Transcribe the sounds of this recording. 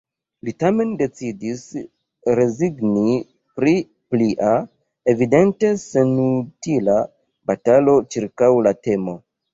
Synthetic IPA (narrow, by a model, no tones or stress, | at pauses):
litame̞nde̞t͡sidis | ɾe̞ziɡni | pɾi | pliʔa | e̞vide̞nte̞se̞nutila | batalo̞t͡ʃiɾkawlate̞mo̞